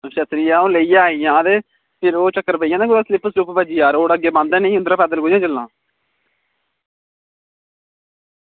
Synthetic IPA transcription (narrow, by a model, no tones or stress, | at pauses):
ʃət̪ɾijãːõːləijãːijãːd̪eː | pʰɪɾoːt͡ʃəkːəɾpəijãːnẽːkʊɾaːslɪpʰːəsɾupbəd͡ʒiːaːɾoːɽəɡːeːbãːnd̪ɛ̃ːneĩːʊnd̪ɾaːpɛːd̪əlɡoːjãːd͡ʒəlːãː